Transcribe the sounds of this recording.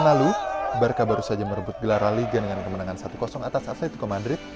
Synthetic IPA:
nalubərkabaɾusad͡ʒaməɾəbʊt̪̚ɡəlaɾaliɡadəŋankəmənaŋansat̪ukɔsɔŋat̪asat̪lit̪ukomadɾɪt̪̚

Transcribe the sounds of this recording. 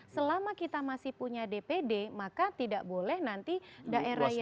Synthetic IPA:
səlamakit̪amasɪhpuɲadepedemakat̪idaʔbolɛhnant̪idaʔeɾahj

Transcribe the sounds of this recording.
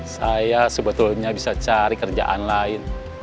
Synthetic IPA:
sajasəbət̪ʊlɲabisat͡ʃaɾikərd͡ʒa̰ʔa̰nlaɪn

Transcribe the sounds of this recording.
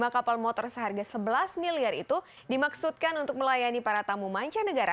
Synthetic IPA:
makapalmɔt̪ɔrsəɦarɡasəbəlasmiliarḭt̪u | dimaksut̪̚kanunt̪ʊk̚məlajanipaɾat̪amumaɲt͡ʃanəɡaɾa

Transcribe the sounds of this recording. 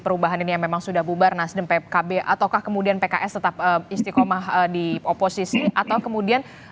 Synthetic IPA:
pəɾubaɦaninijaŋmemaŋsudahbubarnasdəmpekabeʔat̪awkahkəmudianpekaʔɛst̪ət̪ap̚əist̪ikomaɦədioposisiʔat̪awkəmudian

